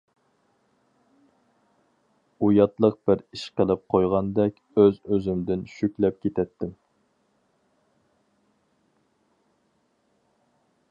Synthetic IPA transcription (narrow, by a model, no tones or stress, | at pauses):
ujɑt̪lˠəq̚b̥ɪɾiʃqəlˠɪp̚qʰojʁɑnd̪ɛkʲøzøzymd̪ɪnʃykʲlɛp̚kʲet̪ʰɛt̪ʰːɪm